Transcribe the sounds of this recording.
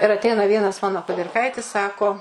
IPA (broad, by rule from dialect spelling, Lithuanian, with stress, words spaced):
ɪr ɐtʲˈɛɪnɐ ʋʲiɛnɐs ˈmɑːnoː kʊdʲɪrˈkɐɪtʲɪs ˈsɑːkoː